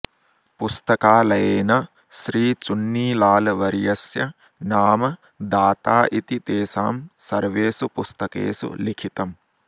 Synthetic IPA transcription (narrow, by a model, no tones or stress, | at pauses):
pust̪ɐkaːlɐjeːnɐ | ʃɾiːt͡ʃunːiːlaːlɐʋɐɾjɐsjɐ | naːmɐ | d̪aːt̪aːʔit̪it̪eːsaːmsɐɾʋeːsupust̪ɐkḛːsṵlikʰit̪ɐm